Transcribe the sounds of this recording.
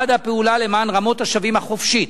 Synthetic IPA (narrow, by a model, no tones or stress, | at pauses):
ad̪hapeulale̞maːnʁamo̞t̪aʃavimhaχo̞fʃit̪